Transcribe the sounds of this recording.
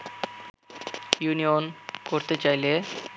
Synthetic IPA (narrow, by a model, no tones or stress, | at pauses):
junijonkoɾt̪et͡ɕajle